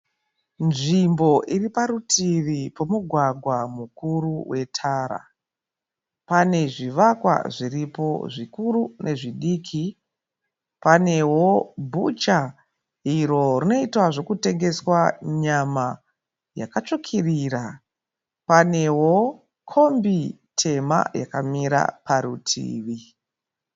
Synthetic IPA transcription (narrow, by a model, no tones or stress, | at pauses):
nʐimbo̞ʔiripaɾutʰiripo̞muɡʱwaɡʱwamukuɾuwʔe̞tʰaːɾa̰ | pane̞ʐiʋakwa̰ʐiripo̞̰ʐikuɾunʔe̞ʐiɗiːkʰi | pane̞wo̞bʱut͡ʃa | iɾo̞rino̞itwaʐo̞kute̞ŋɡe̞swaɲama | jakat͡ʃokʰiriːra | pane̞wo̞ | kʰo̞mbi | tʰe̞ma̰jakamiɾa̰paɾutʰḭːʋi